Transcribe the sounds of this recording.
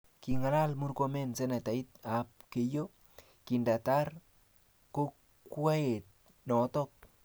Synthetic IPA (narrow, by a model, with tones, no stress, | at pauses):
ki˨ŋa˨la˦lmu˦rko˦mɛ˦nsɛ˦ne˨ta˨it̚a˨p̚ke˨jo˦ | ki˨nda˨ta˦r | ko˦ | kwa˦e˨t̚ | nɔ˨˦tɔk̚